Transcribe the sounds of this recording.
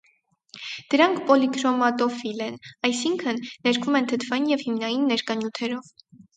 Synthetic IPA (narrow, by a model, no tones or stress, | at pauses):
d̪̥əɾɑŋkʰpɔlikɾɔmɑt̪ɔfilɛnɑjsiŋkʰənːɛɾkʰumɛnt̪ʰət̪ʰvɑjinjɛvhimnɑjinːɛɾkɑnjut̪ʰɛɾɔv